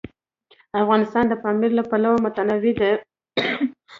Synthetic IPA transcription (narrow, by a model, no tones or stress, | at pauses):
afɣɑnɪst̪ɑnd̪əpɑmiɾlapalawamʊt̪anawid̪e